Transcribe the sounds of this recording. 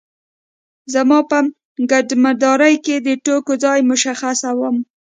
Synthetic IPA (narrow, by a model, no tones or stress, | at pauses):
zamɑpəm | ɡaɖmad̪ɑɾajked̪əʈokod͡zɑjmʊʃaxasawəm